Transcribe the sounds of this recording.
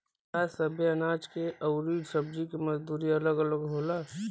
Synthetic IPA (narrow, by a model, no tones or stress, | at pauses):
asəbʱjeɐnaːd͡ʒkeʔəʊɾiːɖsəb̚d͡ʒikiməzd̪uːɾiɐləɡələɡɦoːla